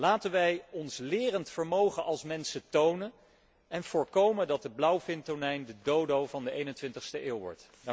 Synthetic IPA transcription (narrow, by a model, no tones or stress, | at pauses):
laːtənʋɛjɔnslɪːrəntfəɹmowχənʔɑlˠsmɛnsətownən | ɛnv̥ʊːɹkowməndɑt̚dəblʌwfɪntonɛjndədowdowvɑndəejnəntʋɪntəχstəʔɪːlˠʋɔ̰ɹt